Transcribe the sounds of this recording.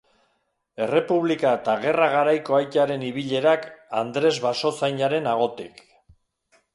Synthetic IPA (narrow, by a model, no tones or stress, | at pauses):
e̞re̞puβlikaet̪aɣe̞raɣ̞aɾajko̞ajt̪aɾe̞niβ̞iʎe̞ɾakand̪ɾe̞zβaso̞sajɲaɾe̞naɣ̞o̞t̪ik